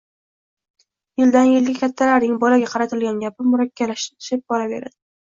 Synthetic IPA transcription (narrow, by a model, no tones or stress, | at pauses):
jɪld̪anjɪlɡʲɪkʲʰat̪ʰːalaɾnɪŋbɒlaɡʲaqʰɑɾat̪ʰɪlɡʲanɡʲapɪmʊɾakʲʰːalaʃt̪ɪt̪ʰɪ̥ʃɪp̚bɒɾabe̞ɾa̰d̪̥ɪ